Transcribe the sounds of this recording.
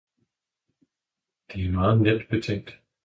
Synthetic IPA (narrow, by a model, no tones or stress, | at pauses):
d̥eæɐmɑːð̩ˠned̥b̥et͡sʰeŋ̰̚d̥